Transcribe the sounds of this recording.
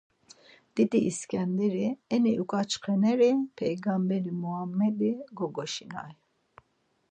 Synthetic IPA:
d̪̥it̪ʼiʔːskʰʼɛnd̪ɛɾiɛniʔukʼat͡ʃʰqʰɛnɛɾipʰɛjɡambɛɾimuamːɛd̪iɡɔɡɔʃina̰j

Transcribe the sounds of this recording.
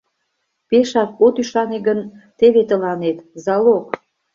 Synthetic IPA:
peʃɑk̚ot̪yʃɑneɡən | t̪eβet̪əlɑnet̪zɑlok

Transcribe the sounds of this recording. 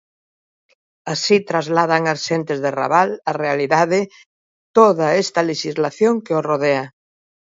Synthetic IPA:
asit̪ɾazlað̞aŋasʃent̪ezðera̰βalarealiðaðe | t̪oðaest̪aleʃizlaθjoŋkeoroð̞ea

